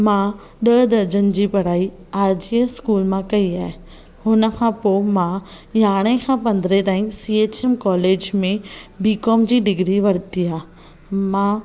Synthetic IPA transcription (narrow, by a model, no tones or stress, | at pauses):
mãː | ɗɐɦd̪ɐɾd͡ʑənɪ̆d͡ʑiːpɐɽ̤aːi | aːɾd͡ʑiəskuːlmãkɐiaːɦe | hʊnə̆kʰãpoːmãjaːɽ̃ẽkʰãpɐ̃nd̪ɾet̪aːɪ̃sieːt͡ɕemkɔːleːd͡ʑmẽbiːkɔːmd͡ʑiːɖɪɡɾiʋɐɽt̪iaː | mãː